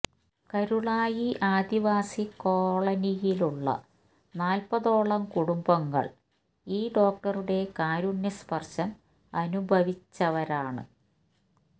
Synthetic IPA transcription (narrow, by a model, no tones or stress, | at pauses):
kɐɾuɭaːjiʔaːd̪iʋaːsiko̞ːɭɐnijiluɭːɐ̰ | naːlpɐðo̞ːɭɐmkuɽumbɐŋːɐ̰ɭ | iːɖo̞ːk̚ʈɐruɽe̞kaːɾunjɐspɐrɕɐm | ɐnubʱɐʋit͡ɕːɐʋɐɾaːɳɨ̰